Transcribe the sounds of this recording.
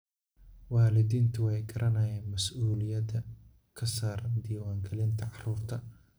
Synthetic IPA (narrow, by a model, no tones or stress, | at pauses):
wɑːlɪd̪iːnt̪ʰʊwɛjɡɐɾʔɐnɐjɛːnmɐsʔuːlɪjɐd̪ɐ | kʰɐsaːɾɐnd̪iːwaːŋɡɐlɪnt̪ʰɐʕɑruːrt̪ʰɐ